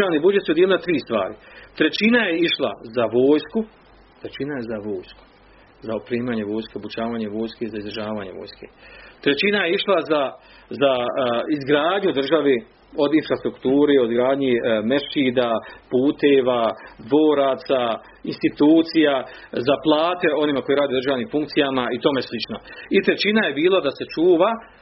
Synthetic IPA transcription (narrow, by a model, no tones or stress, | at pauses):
aːʋniːbud͡ʒet̪suoelinat̪ɾiːst̪ʋa̰ːɾit̪ɾet͡ɕinaje̞iʃlˠa̰zaʋo̞ːjsku | t̪ɾet͡ʃinajezaʋoːjsku̥ | zaopɾiːmaːɲe̞ʋo̞ːjskeobut͡ʃaːʋaːɲe̞ʋo̞ːjskeizaizd̪ɾʒaːʋaːɲe̞̰ʋo̰ːjskḛt̪ɾet͡ɕinajeiʃlˠaza | zaizɡɾaːd̪ɲud̪r̩ʒaʋe | o̞d̪infɾast̪ɾukt̪uːɾeo̞d̪ɡɾaːd̪ɲemeʃiːd̪apuːt̪eːʋad̪ʋo̞ːɾat̪sa | inst̪it̪uːt̪sija | zaplˠaːt̪e̞o̞niːmako̞jeɾaːd̪ioɾrʒaːʋniːmfuŋkt̪sijamait̪o̞ːmeslit͡ʃnoit̪ɾe̞t͡ɕinaje̞biːlˠad̪ase̞t͡ʃuːʋa